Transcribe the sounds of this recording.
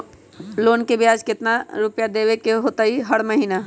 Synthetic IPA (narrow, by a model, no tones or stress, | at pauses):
loːnkebjaːd͡ʒkɪt̪naɾʊpjad̪ewekeɦoːt̪aɦiɦəɽməɦiːna